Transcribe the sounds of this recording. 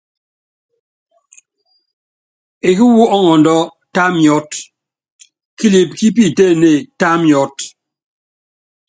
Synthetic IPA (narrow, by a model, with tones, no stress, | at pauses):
e˨ki˦wu˦ɔ˦ŋɔ˨n˨dɔ˦ | ta˦mjɔ˦t | ki˦li˨p̚ki˦p̬i˦˨te˦˨ne˨ta˦mjɔ˦t